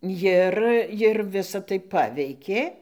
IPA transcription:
ˈjɪr jɪr ˈʋʲɪsɐ tɐɪ ˈpɑːʋʲɛɪkʲeː

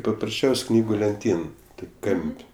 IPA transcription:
pɐprɐsʲˈt͡ʃʲɛʊsʲ ˈknʲiːɡʊ lʲɛnʲˈtʲiːn ˈtoːkʲ ˈkɐmʲpʲ

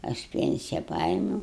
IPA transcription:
ɐʃ ˈpʲɛnʲsʲɪjɛ ˈpɐeːmʲuːʊ

